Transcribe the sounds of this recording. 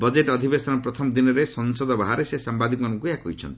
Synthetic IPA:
bɔd͡ʒeʈɔd̪ʱibesɔnɔpɾɔt̪ʰɔmɔd̪inɔɾesɔŋsɔd̪ɔbaɦaɾesesambad̪ʱikmanɔŋkujakojt͡ʃʰɔ̰nt̪i̥

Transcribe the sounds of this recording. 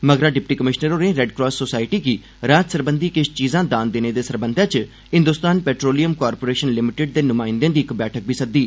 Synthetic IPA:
məɡɾãːɖɪpʈiːkəmɪʃnəɾoːnẽːɾɛɖkɾɔːsːoːsaːɪʈiːkiː | ɾaːt̪səɾbənd̪iːkɪt͡ʃʰt͡ʃiːzãːd̪aːnd̪eːneːd̪eːsəɾbənd̪ʱãːt͡ʃ | ɦɪ̃nd̪ʊst̪aːnpɛːʈɾoːlijəmkaːɾpoːɾeːʃənlɪmɪʈɪɖ̚d̪eːnʊmaːɪ̃nd̪ãːd̪iːɪkbɛːʈʰək̚bʱiːsək̚d̪iː

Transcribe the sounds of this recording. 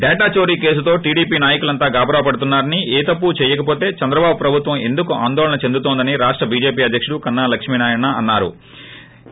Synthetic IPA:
ɖɛːʈaːt͡ʃo̞ːɾiːke̞ːs̬ut̪o̞ːʈiːɽiːpiːnaːjɐkulɐnt̪aːɡaːbɾaːpɐɽut̪unːaːɾɐnieːt̪ɐpːut͡ʃɛːjɐkɐpoːt̪e̞ːt͡ʃɐnd̪ɾɐbaːbupɾɐbʱut̪ʋɐ̃me̞̰nd̪ukuʔaːnd̪ɔːlɐnɐt͡ʃe̞nd̪ut̪ond̪ɐniɾaːʂʈɾɐbiːd͡ʒe̞ːpiːɐd̪ʱjɐkʂuɽukɐnːaːlɐkʂmiːnaːjɐɳːaɐnːaːɾṵ

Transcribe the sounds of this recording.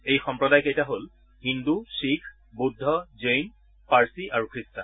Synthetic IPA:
ejxɔmpɹɔdajkejtaɦol | hinduʃikʰ | budʱːɔzejn | paɹsiʔaɹukɹista

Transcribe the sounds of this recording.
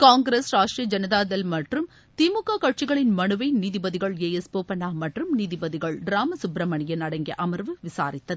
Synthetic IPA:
kaːŋɡɾesɾaːʂʈriɐd͡ʒɐnɐðaːðɐlmɐʈrɯm | t̪imukːaːkɐʈ̚t͡ʃɪɣɐɭɪnmɐɳɯʋɐɪniːðɪbɐðɪɣɐɭeːɛspoːpɐnaːmɐʈrɯmniːðɪbɐðɪɣɐɭɖɪɾaːmɐsʊbɾɐmɐɳɪjɐnɐɽɐŋɡɪɐ̰ʔɐmɐrʋɯʋɪsa̰ːɾɪt̪ːɐðɯ

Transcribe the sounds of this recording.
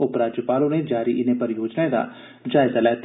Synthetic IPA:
ʊpɾaːd͡ʒjəpaːlõned͡ʒaːɾiʔɪnepɐɾjoːd͡ʒnaed̪a̰ː | d͡ʒaːɪzalɛːt̪

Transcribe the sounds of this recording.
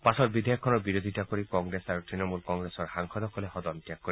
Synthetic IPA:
pasɔtbid̪ʱejɔkʰːɔnɔɹbiɾod̪ʱitakoɹikɔŋɡɹesaɹutɹinɔmulkɔŋɡɹesɔɹhaŋkʰɔd̪ɔkʰɔlehɔd̪ɔntijakːoɾi

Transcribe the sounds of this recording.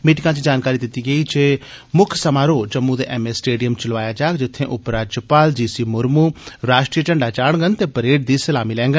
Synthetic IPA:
miːʈɪkãːt͡ʃiːd͡ʒaːnkaːɾiːd̪ɪt̪iːɡəiːt͡ʃeː | mʊkʰsəmaːɾoːt͡ʃəmːuːd̪ḛːʔɛmeːsʈeːɖijəmt͡ʃəlʋaːjaːd͡ʒaːkd͡ʒɪt̪ʰːẽːʔʊpɾaːd͡ʒəpaːld͡ʒiːsiːmʊɾmuːɾaːʃʈɾiːət͡ʃəɳɖaːt͡ʃaːɽɡənt̪eːpəɾeːʈ̚d̪iːsəlaːmiːlɛ̃ːŋɡən

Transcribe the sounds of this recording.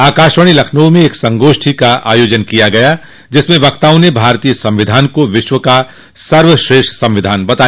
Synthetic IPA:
aːkaːʃwəɽ̃ilɐkʰnuʋmẽeːksɐ̃ŋɡoːʃʈʰikaʔa̰ːjoːd͡ʒənkijaɡɐja | d͡ʒɪsmẽʋɐkt̪aːʊnebʱaːɾt̪ijəsɐ̃mʋɪd̪ʱaːnkoʋɪʃwəka | sɐɾʋəʃɾeːʃʈsɐ̃mʋɪd̪ʱaːnbɐt̪aː

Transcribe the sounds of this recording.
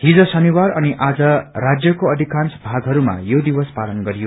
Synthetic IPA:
hid͡zʌsʌniwarʌniʔad͡zʌrad͡zjʌkoʌd̪ʱikansbʱaɡɦʌɾuma̰jod̪iwʌspalʌnɡʌɾijo

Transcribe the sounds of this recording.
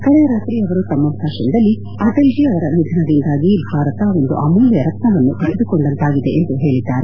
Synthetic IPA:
kɐɽeɾaːt̪ɾiɐʋɐɾut̪ɐmːɐbʱaːʃɐnd̪ɐlːi | ɐʈɐld͡ʒiɐʋɐɾɐnid̪ʱɐnɐd̪ind̪aːɡibʱaːɾɐt̪ɐo̞nd̪uʔɐmuːljɐɾɐk̪nɐʋɐnːup̪ɐɽed̪ukoɳɖɐnt̪aːɡid̪e̞ʔend̪uɦe̞ːɭid̪ːaːɾe

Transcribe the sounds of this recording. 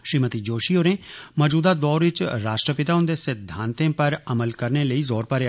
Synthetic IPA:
ʃɾiːmət̪id͡ʒoːʃiːoːɾẽːmɔːd͡ʒuːd̪aːd̪ɔːɾʋɪt͡ʃɾaːʃʈɾəpɪt̪aːʊnd̪esɪd̪ʱːãːnt̪ẽːpəɾəməlkəɾneːləiːzɔːɾpəɾe

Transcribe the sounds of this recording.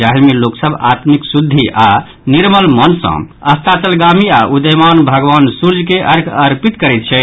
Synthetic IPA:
aɦlmeloksəbʱa̰t̪miksud̪ʱːiʔa | niɾməlmənsə̰̃ | əst̪at͡ʃəlɡamiaʔud̪əjmanbʱəɡʋansuɾd͡ʒkeʔəɾkʰəɾpit̪kəɾɛt̪̚t͡ʃʰɛ

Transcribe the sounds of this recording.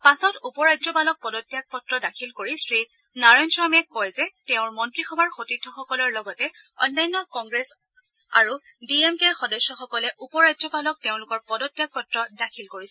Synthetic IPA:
pasɔtupɔɹazɔbalɔk̚pɔdɔtːjak̚pɔtɹɔdakʰilkoɹisɹi | naɹɔjnsɹamɛkkːɔjzɛteʊ̃ɹmɔntɹixʰɔbaɹxotitʰːɔxɔkɔlɔɹlɔɡɔtɛɔ̰nːajnːɔkɔŋɡɹes | a̰ɹudiemkeɹxɔdɔsːɔxɔkɔlɛʔupɔɹazɔbalɔk̚teʊ̃lʊkɔɹpɔdɔtːjak̚pɔtɹɔdakʰilkoɹisɛ

